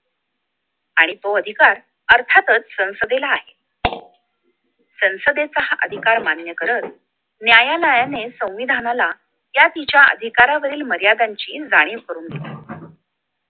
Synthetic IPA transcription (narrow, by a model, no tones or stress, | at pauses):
aɽ̃ipəəd̪ʱikaɾ | əɾt̪ʰat̪ət͡ssə̃w̃səd̪elaːɦe | sə̃w̃səd̪et͡saʔə̰d̪ʱikaɾmanjəkəɾət̪ | njajanajanesə̃w̃ʋid̪ʱanala | jat̪it͡ɕjaə̰d̪ʱikaɾaʋəɾiːlməɾjad̪aɲt͡ɕiːd͡zaɽ̃ekəɾuːnɡeli